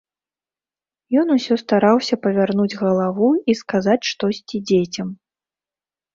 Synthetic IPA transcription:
jɔnusʲɔst̪aɾawsʲɐpɐvʲarnud͡zʲɣɐlˠavuiskazat͡sʲʂt̪ɔsʲt͡sʲid͡zʲet͡sʲɐm

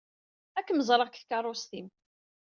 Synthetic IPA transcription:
ækːməzˤɾˤəʁkθkɑrˤost̪im

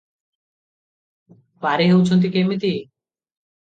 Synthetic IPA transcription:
paɾeɦewt͡ɕʰont̪̬ikemit̪i

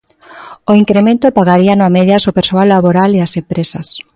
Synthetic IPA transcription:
oiŋkɾemẽnt̪opaɣaɾianoameðjasopeɾsoalːaβoɾaleasempɾesas

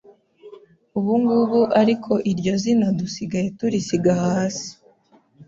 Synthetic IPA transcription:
uβuŋɡuβuʔaɾikʰo̞ʔiɾɟo̞zinadusiɡaje̞tuɾisiɡahaːsi̥

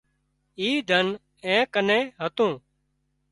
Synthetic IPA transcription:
iːd̪ʱən | ɛ̃ːkənẽːɦət̪ũː

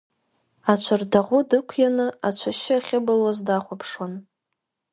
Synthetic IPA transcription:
at͡ʃʷʰardaʁʷʊdɨkʷʰjanɨat͡ʃʷʰaʃaχʲɪbɨlwazdaχʷapʰʂwon

